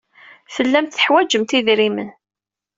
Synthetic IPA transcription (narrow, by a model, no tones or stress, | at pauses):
θəlːæmt̪θə̥ħwæd͡ʒəmt̪iðɾimən